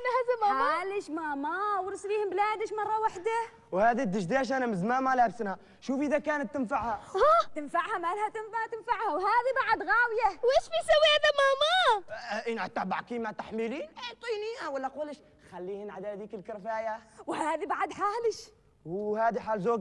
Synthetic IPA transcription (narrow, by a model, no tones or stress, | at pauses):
ʔanahazamaaaːlɪʃmaːmaːwɪɾsliːhʊmblaːd̪ɪʃmɑrˤːɑwaħd̪a | whaːðid̪ɪʒd̪eːʕʃ̬anamɪzmaːmalaːbsɪnha | ʃuːfʔɪðakaːnat̪ːɪnfaʕhahat̪ɪnfaʕhamalhat̪ɪnfat̪ɪnfaʕhawhaːðibaʕad̪ɣaːwjaweːʃfisawːiaðamaːmaːʔinʕat̪ːaʕbaʕkiːmaʕt̪aħmiːliːnʔat̪ˤiːniːhawalːaquːlɪʃ | xalːiːhɪnʕad̪aːld̪iːkɪlkɪɾfaːjawhaːðibaʕad̪ħaːlɪʃ | whaːd̪iħaːlzoːɡ